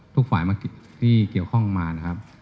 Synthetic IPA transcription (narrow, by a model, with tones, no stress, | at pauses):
t̪ʰu˥k̚faː˩˦jmaː˧ki˨˩t̪̚ʰiː˥˩ki˨˩əwkʰɔ˥˩ŋmaː˧na˦˥kʰa˦˥p̚